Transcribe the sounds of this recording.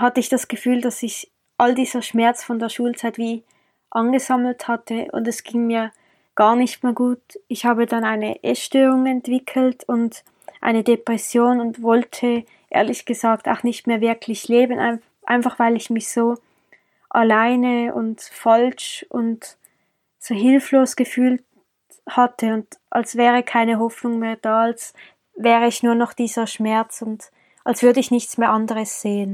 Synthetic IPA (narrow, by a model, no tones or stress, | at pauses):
hatəɪçd̥asɡ̥əfyːldasɪç | ʔaldiːz̥ɐʃmɛɐt͡sfɔndeːɐʃuːlt͡saɪtv̥iː | ʔanɡəzaml̩thatʰəʊ̰ndɛsɡ̥iŋmiːɐ | ɡ̥aːɐnɪçtmeːɐɡuːtɪçhaːbədanaɪnəʔɛ̰ʃtøːʁʊŋɛntv̥ɪkʰl̩tʊnt | ʔa̰ɪnədepʁ̥ɛsjoːnʊntvɔltʰə | ʔḛːɐlɪçɡ̥əzaːkta̰ʊxnɪçtmeːɐvɪɐkʰlɪçleːbənʔa̰ɪn | ʔa̰ɪnfaχv̥aɪlɪçmɪçz̥oː | ʔalaɪnəʊ̰ntfalʃʔʊ̰nt | z̥oːɦɪlfloːsɡ̥əfyːlt | hatʰəʊndʔalsv̥ɛːʁəkʰaɪnəɦɔfnʊŋmeːɐd̥aːals | vɛːʁəɪçnuːɐnɔχd̥iːz̥ɐʃmɛɐt͡sʊnt | ʔalsv̥ʏɐdəɪçnɪçt͡smeːɐʔandəʁəsz̥eːən